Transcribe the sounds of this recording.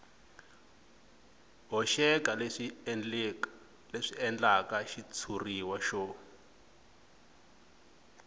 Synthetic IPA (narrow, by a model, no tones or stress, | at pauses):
ɦɔʃɛkal | leʂiɛnd͡ɮakaʃit͡sʰuriwaʃɔ